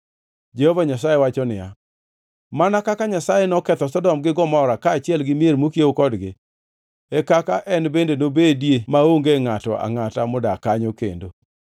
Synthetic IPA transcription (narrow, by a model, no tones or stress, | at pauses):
d͡ʒehovaɲasajewat͡ʃɔnɪja̰ | manakakaɲasajenɔkɛt̪ɔsɔdɔmɡɪɡɔmaɔɾakaːt͡ʃɪɛlɡɪmieɾmokjeokɔdɡɪ | ekakaʔɛnbendenobedjemaoŋɡeŋatɔ̰a̰ŋatamʊdakaɲokḛndo̰